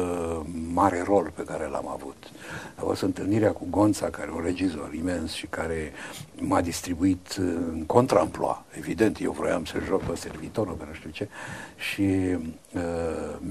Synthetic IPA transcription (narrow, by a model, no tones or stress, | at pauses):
maɾe̞ro̞lpe̞kaɾela̰ma̰vut̪ | vo̰st̪ɨnt̪ɨlniɾeakuɡo̞nt̪sakaɾeunre̞d͡ʒizo̞̰ɾime̞nsʃikaɾe̞mad̪ist̪ɾibuit̪ɨŋko̞nt̪ɾaɨmploa̰e̞vid̪e̞nt̪jewvɾo̰ja̰msəʒokpəservit̪o̞ɾo̰penuʃt̪iut͡ʃe̞ʃi